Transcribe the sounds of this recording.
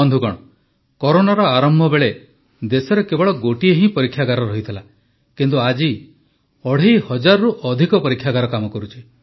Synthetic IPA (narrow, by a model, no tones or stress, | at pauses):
ɔnd̪ʱuɡɔɽ̃ɔ | kɔɾonaɾɔaɾɔmbʱɔbeɭe | d̪esɔɾekebɔɭɔɡoʈieɦĩpɔɾikʰːjaɡaɾɔɾɔɦit̪ʰila | kint̪̬uad͡ʒi | ɔɽ̤ihɔd͡ʒaɾɔɾuʔɔd̪ʱikɔpɔɾikʰːjaɡaɾɔkamɔkɔɾut͡ʃʰi̥